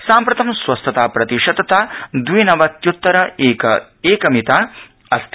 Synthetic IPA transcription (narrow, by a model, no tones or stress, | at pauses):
saːmpɾɐt̪ɐmsʋɐst̪ʰɐt̪aːpɾɐt̪iʂɐd̪ɐt̪aːd̪ʋinɐʋɐt̪jut̪ːɐɾɐɐ | eːkɐmit̪aː | ɐst̪